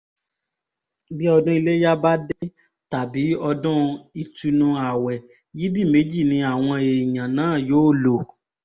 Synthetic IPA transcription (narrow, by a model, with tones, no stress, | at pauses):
bi˦ɔ˧dũ˦i˧le˦ja˦ba˦de˦ | ta˨bi˨˦ɔ˧dɔ̃˦i˧tu˧nũ˧a˨wɛ˨ | ji˨˦di˦˨me˨˦d͡ʒi˦˨nĩ˧a˨w̃ɔ̃˧e˨i˨jã˨nãː˨˦˨joː˨˦˨lo˨